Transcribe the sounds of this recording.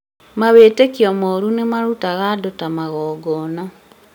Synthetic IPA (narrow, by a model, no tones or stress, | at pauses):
maβeːtekiɔmoɾunemaɾutaɣadotamaɣɔːɡɔnɔ